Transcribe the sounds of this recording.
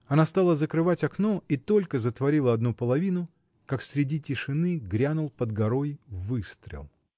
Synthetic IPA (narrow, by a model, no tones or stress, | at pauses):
ɐnast̪alˠəzəkɾɨvatʲɐknoit̪o̞lʲkəzət̪vɐɾʲilˠəɐd̪nupəlˠɐvʲinʊ | kaksʲɾʲɪdʲitʲɪʂɨnɨɡɾʲanʊlˠpəd̪ɡɐɾo̞jvɨst̪ɾʲɪ̰lˠ